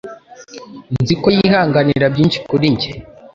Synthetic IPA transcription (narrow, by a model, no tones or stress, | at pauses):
nnzikojihaːŋɡaniɾabɟiːnʃi̥kuɾiɲɟe